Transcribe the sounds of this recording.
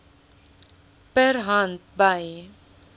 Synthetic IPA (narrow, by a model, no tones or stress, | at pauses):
pɛɾɦãnt̪̚baj